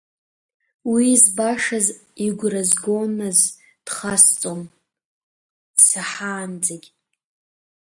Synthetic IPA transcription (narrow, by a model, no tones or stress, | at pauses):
wizbaʂaziɡʷrazɡonaz | d̥χast͡sʼon | d̥saħaːnd͡zʼeɡʲ